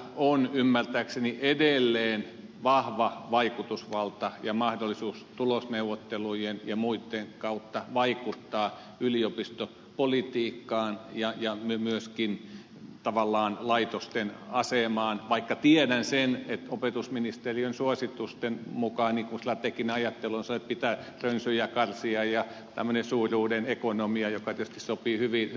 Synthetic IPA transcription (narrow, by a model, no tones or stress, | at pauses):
onymːært̪æːkseniʔedelːeːn | ʋɑhʋɑʋɑikut̪usʋɑlt̪ɑjɑmɑhdolːisuːst̪ulosneuʋːot̪ːelujenjɑmuit̪ːeŋkɑut̪ːɑʋɑikut̪ːɑː | yliopist̪o | polit̪iːkːɑːnjɑjɑmymyøskin | t̪ɑʋɑlːɑːnlɑit̪ost̪enɑsemɑːnʋɑikːɑt̪iedænsenet̪opet̪usminist̪eriønsuosit̪ust̪enmukɑːˑnnikunsilːæt̪ekineɑjɑt̪ːeluonsɑnoet̪̚pit̪æː | rønsyjækɑrsiɑjɑ | t̪æ̰mːønesuːrʲuːdenekonomiɑjokɑt̪iø̥st̪issopiːhyʋi